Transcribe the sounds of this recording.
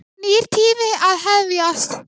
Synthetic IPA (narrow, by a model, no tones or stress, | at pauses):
niɾ̥t̪ʰiːmɪaðɦɛðvjast̪